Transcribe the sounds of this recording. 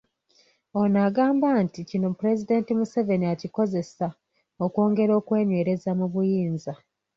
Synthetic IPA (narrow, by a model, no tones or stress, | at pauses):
o̞naɡaːmbanticino̞pɾe̞zide̞ntimuseve̞niaciko̞ze̞sa | o̞kwo̞ːŋɡe̞ɾo̞ːkwe̞ːɲwe̞ːɾe̞zamuβujiːnza